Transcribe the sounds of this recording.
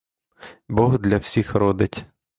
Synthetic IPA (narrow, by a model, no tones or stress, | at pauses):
bɔɦd̪lʲɐwsʲixɾɔd̪ɪtʲ